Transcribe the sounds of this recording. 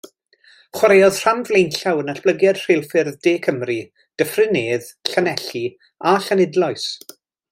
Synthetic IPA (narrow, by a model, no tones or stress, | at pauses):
χwaɾejɔð̥r̥amvlejnɬawənaɬb̥lˠəɡjɛd̥r̥ejlˠfɪrðdeːkʰəmri | d̥əfrɪneːðɬanɛɬi | aɬanɪdlˠɔɨs